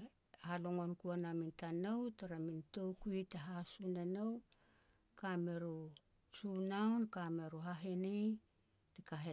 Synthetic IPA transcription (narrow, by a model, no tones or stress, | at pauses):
haloŋo̞nkuanamintanowtaɾamintowkuitaɦasunanow | kame̞ɾu | t͡ʃunawnkame̞ɾuɦaɦenej | tikaɦe